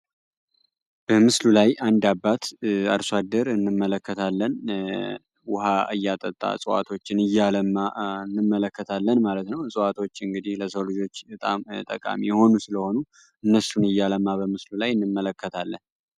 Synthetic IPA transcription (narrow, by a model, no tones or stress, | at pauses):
b̥əmɨslulajʔand̪abːat̪aɾswad̪ːəɾɨnːɨmːələkːət̪ʰalːən | wʊhaɨjːat̪ʼət̪ʼːa̰sʼəwa̰t̪ʰo̞t͡ʃːɪnɨjːaləmːaɨnːɨmːələkːət̪ʰalːənmalət̪nəwsʼɨwat̪ʰo̞t͡ʃːɨŋɡɨd̪ihləsəwlɨd͡ʒo̞t͡ʃːbət̪ʼamt̪ʼə̰kʼa̰mijho̞nusɨləho̞nu | ʔɨnːəsunɨjːaləmːabəmɨslulajɨnːɨmːələkːət̪ʰalːən